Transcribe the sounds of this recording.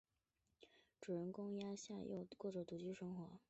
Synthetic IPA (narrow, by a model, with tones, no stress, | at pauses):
ʈ͡ʂu˨˩ɻə˧˥˩nkʊ˥ŋja˥ɕja˥˧jʔo̰˥˧ʊkwɔ˥˩ʈ͡ʂɤ˨˩t̪u˨˩t͡ɕy˥ʂɤ˥ŋxwɔ˧˥˦